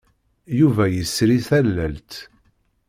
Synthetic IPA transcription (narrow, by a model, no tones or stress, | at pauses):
juvæjəsɾiθælːælt̪